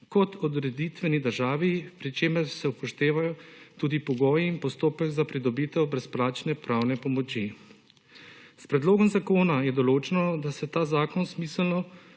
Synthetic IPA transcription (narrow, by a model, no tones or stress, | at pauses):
kɔt̪ʰɔd̪ɾɛd̪it̪ʋɛnid̪əɾʒaːʋipɾit͡ʃeːmɛɾsɛupɔʃt̪eːʋajɔt̪uːd̪ipɔɡɔːjiinpɔst̪oːpɛɡzapɾid̪ɔbiːt̪ɛwbɾɛsplaːt͡ʃnɛpɾaːwnɛpɔmɔt͡ʃi | spɾɛd̪loːɡɔmzakoːnajɛd̪ɔloːt͡ʃɛnɔd̪asɛt̪aːzaːkɔnsmiːsɛlnɔ